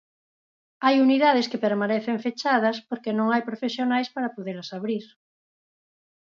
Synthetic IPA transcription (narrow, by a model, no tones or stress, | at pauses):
ajuniðaðeskepeɾmanɛθeɱfet͡ʃaðɐspoɾkenõŋajpɾofesjonajspaɾɐpoðeɾɐsaβɾiɾ